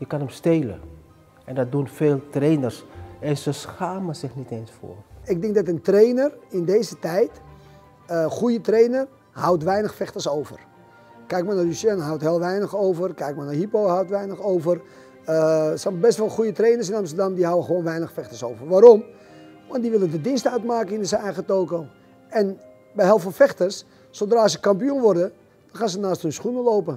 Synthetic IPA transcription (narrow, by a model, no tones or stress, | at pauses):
jəkanəmsteːlə̰ | ɛndɔdunfeːlˠtreːnərsɛnsəsxaːməsɪxniteːnsfʊ̰ːɪk̚dɪŋkdɔtəntrejnərɪndeːzətɛjt | əxujətrejnər | hawtʋɛjnəxfɛxtəsowvə̰r | kɛjk̚manalysjɛnɦawtheːlˠʋɛjnəxoːvərkɛjk̚manaɦipohawtʋɛjnəxowvər | əsɛnbɛstʋɔlˠxujətreːnərs̬ɪnamstərdamdiɦawəxəʋoːnʋɛjnəxfɛxtərsowvərʋaːɾɔm | ʋandiʋɪlədədɪnstœɥtmaːkəɪnsənɛjɣətoːkoː | ɛn | bɛjɦɛlˠfɔlˠfɛxtərsː | odraːsəkampjunʋɔrdə | d̥ɔnxaːnsənaːsthønsxunəloːpə